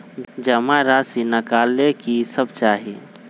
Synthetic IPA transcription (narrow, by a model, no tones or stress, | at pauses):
d͡ʒəmãɾaːsinɐkaːlekisəbt͡ʃaːɦi